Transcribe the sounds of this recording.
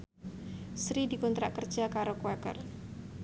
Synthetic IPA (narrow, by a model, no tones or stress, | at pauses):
sɾidikunt̪ɾaʔkərd͡ʒakaɾokoɛkə̰r